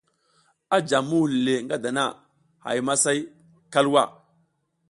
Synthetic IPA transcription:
a˦d͡ʒa˨mːu˦hle˨ŋɡa˦da˨na˦˨ | ha̰˨jma˦sa˦j | ka˦lwa˦˨

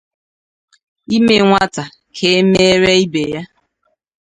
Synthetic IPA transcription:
i˦me˨ŋʷa˦ta˨ | kʰe˨e˦me˦ɾe˦i˦be˨ja˦

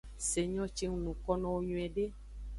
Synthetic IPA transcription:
se˨ɲɔ̃˦t͡ʃe˦ŋũ˦nũ˨kɔ˦nɔ̃˦wo˦ɲũ˨ɛ̃˨ɖe˦

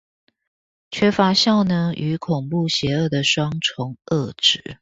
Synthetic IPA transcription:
t͡ɕʰɥɛ˥fa˧˥ɕjɑ˥˩ʊnə˧˥ŋʔy˧˥˦kʰʊ˨˩ŋpu˥˩ɕjɛ˧˥˦ə˥˩d̪ə˩ʂwɑ˥ŋt͡sʰʊ˧˥ŋə˥˩ʈ͡ʂɻ̩˨˩˦

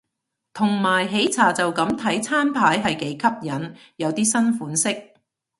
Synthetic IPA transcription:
t̪ʰʊ˨˩ŋmaː˨˩jɦe˨˧˥jt͡sʰaː˨t͡sɐ˨wkɐ˨˥mt̪ʰɐ˨˥jt͡sʰaː˥npʰaː˨˥jɦɐ˨jke˨˥jkʰɐ˥p̚jɐ˨˥n | jɐ˨˧wt̪iː˥sɐ˥nfuː˨˥nsɪ˥k̚

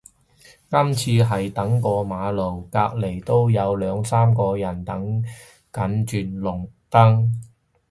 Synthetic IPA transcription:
kɐ˥mt͡sʰiː˧ɦɐ˨jt̪ɐ˨˥ŋkɔː˧maː˨˧lo˨˩wkaː˧k̚le˨˩jt̪o˥wjɐ˨˧wlœː˨˧ŋsaː˥mkɔː˧jɐ˨˩nt̪ɐ˨˥ŋ | kɐ˨˥nt͡ʃyː˨nlʊ˨˩ŋt̪ɐ˥ŋ

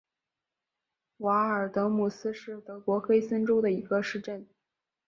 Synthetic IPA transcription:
wa˧˥ə˞˨˩t̪ɤ˧˥mu˨˩sɹ̩˥ʂɻ̩˥˩t̪ɤ˧˥kwɔ˧˥xe˥ɪsə˥nʈ͡ʂo˥ʊd̪ə˨i˧˥ɡə˧ʂɻ̩˥˧ʈ͡ʂə˥˩n

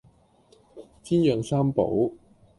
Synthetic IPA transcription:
t͡siː˥njœː˨ŋsaː˥mpo̰˨˥w

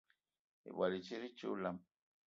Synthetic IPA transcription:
ḛ˨bwa˨li˨t͡ʃi˦ɾi˦t͡ʃṵ˦la˦m

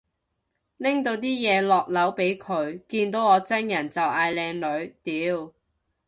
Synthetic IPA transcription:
lɪ˥ŋt̪o˧wt̪̬iː˥jɛː˨˧lɔː˨k̚lɐ˨˥wpe˨˥jkʰɵ˨˧ɥkiː˧nt̪o˨˥wɔː˨˧t͡sɐ˥njɐ˨˩nt͡sɐ˨wʔaː˧jlɛː˧ŋlɵ˨˧ɥt̪iː˨˥w

